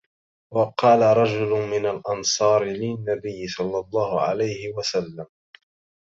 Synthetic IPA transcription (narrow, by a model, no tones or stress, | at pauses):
wɑqɑːlaɾˤɑd͡ʒʊlʊmɪnalʔɑnsˤɑːɾɪlɪnːabɪjːɪsˤɑlːɑlˤːɑːhʊʕa̰lajhɪwasalːam